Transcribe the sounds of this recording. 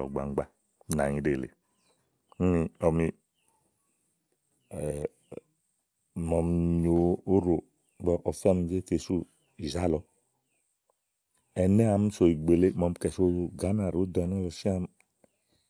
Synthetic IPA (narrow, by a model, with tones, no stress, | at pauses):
ɔ̰˨ɡ͡ba̰˨˦ɡ͡ba˦˨ | na̰˨ɲi˨ɾe˨lḛ˨ | u˦mi˧ɔ˧˨mi˧˨ | mɔ˧mɲo˨o˦ɾo˨ | ɡ͡bɔ˧˦ʔɔ˨fɛ˦m˧˦d͡ʒe˦te˨su˦ | i˨za˦lɔ˧ | ɛ˨nɛ˦a˨m˦so˨i˨ɡ͡be˨le˦mɔ˧m˦kɛ˨so˧˦˧ɡa˨˦na˨ɾo˨˦dɔ˨˧˨n˦ɔ˦lɔ˨si˦a˧m˦